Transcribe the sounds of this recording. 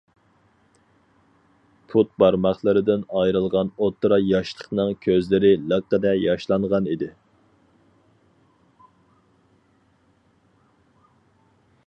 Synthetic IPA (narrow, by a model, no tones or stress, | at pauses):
pʰut̪̚bɑɾmɑχlˠɨɾɪd̪ɪnɑjɾɨlˠʁɑnot̪ʰːɾɑjɑʃlˠə̥qnɨŋkʲʰøzlɪɾɪlˠəqːəd̪ɛjɑʃlˠɑŋʁɑnid̪ɪ